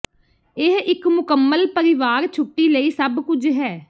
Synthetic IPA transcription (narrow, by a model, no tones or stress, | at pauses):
ɪɦɪkmʊkəmːəlpəɾɪʋaːɾt͡ʃʰʊʈːiːləiːsəbkʊd͡ʒɦɛː